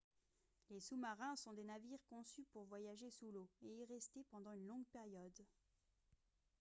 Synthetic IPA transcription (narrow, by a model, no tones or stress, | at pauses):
lesumaʁɛ̃sɔ̃d̪enaviʁkɔ̃sypuʁvwajaʒesuloeilʁɛst̪epɑ̃d̪ɑ̃ynlɔ̃ɡpɛʁjɔd̪